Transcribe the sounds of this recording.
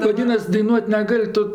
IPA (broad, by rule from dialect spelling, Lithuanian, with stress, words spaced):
ʋɐˈdʲiːnɐs dɐɪˈnuɔtʲ nʲɛˈɡɐlʲ ˈtʊ